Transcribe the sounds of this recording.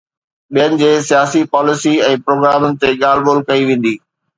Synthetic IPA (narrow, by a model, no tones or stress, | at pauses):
ɓijənɪ̆d͡ʑeːsijaːsipaːlɪsiɛ̃ːpɾoːɡɾaːmʊnɪ̆t̪eːɠaːl̤boːlkɐiʋẽːn̆d̪iː